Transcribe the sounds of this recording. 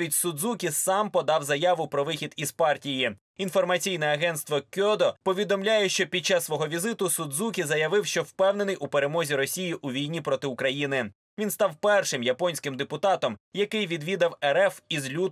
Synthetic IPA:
itʲsʊd̪zukʲisɑmpɔd̪ɑwzɐjɑʋʊpɾɔʋɪxʲid̪iz̥pɑrtʲiji | infɔrmɐt͡sʲijnɛɐɦɛnst̪ʋɔkʲɔd̪ɔpɔʋʲid̪ɔmlʲajɛʃt͡ʃɔpʲid̪̚t͡ʃːɑsːʋɔɦɔʋʲizɪt̪ʊsud̪zukʲizɐjɐʋɪwʃt͡ʃɔwpɛwne̞nɪjʔupeɾemɔzʲiɾɔsʲijiʔuʋʲijnʲipɾɔt̪ɪʊkɾɐjinɪ | ʋʲinst̪ɑwpɛrʃɪmjɐpɔnʲsʲkɪmd̪epʊt̪ɑt̪ɔmjɐkɪjʋʲid̪ʋʲid̪ɐwɛɾɛfizlʲu

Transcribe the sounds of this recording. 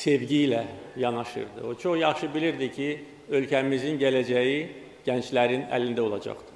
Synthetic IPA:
sevɟilæjɑnɑʃɯ̰ɾd̪ɯ̰ot͡ʃʰo̞χjɑχʃɯbiliɾd̪icʰi | ø̞lcʰæmizinɟælæd͡ʒæji | ɟ̥ænt͡ʃlæɾinæ̰lind̪æo̞lˠɑd͡ʒɑ̰χt̪ɯ̥

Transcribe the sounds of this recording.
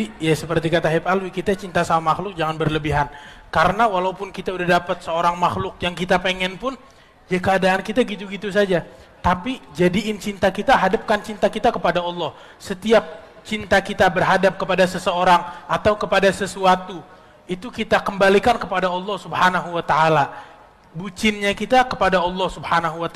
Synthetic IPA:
ijasəpərt̪ikat̪aɦipalwikit̪at͡ʃint̪asalmaxlʊk̚d͡ʒaŋanbərləbiɦankaɾənawalaupʊnkit̪audahdapət̪̚səoɾaŋmaxlʊk̚jaŋkit̪apeŋɛnpʊn | d͡ʒakəadaːnkit̪aəɡit̪uɡit̪us̬ad͡ʒa | t̪apid͡ʒadiɪnt͡ʃint̪akit̪aɦadəp̚kant͡ʃint̪akit̪akəpadaɔlˠːɔh | sət̪iap̚t͡ʃint̪akit̪abərɦadap̚kəpadasəsəoɾaŋat̪awkəpadasəsuat̪u | it̪ukit̪akəmbalikankəpadaɑlːɔhsubhanaɦuwat̪aala | but͡ʃɪnɲakit̪akəpadaɑlˠːɔhsubhanaɦuwat̪

